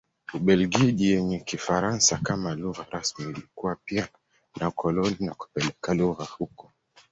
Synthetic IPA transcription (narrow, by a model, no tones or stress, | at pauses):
uɓɛlɡiʄijɛɲɛkifaɾansakamaluɣaɾasmiːlikuwapia | nʔakʰɔlɔninaku̥pɛlɛkaluɣahukɔ